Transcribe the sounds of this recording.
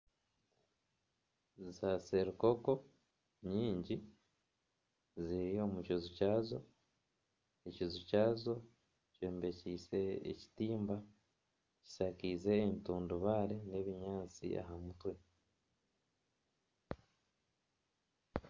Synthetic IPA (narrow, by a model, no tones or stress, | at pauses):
zaseɾuko̞ko̞ | ɲiːɲɟi | zijo̞mucozucaːzo̞ | ecizucaːzo̞ | cweːmbe̞ciːse̞̰ːci̥tiːmba | ci̥sakiːze̞ːmituːnduβaːɾene̞βiɲaːt͡sḭʔa̰ɦamutwe̞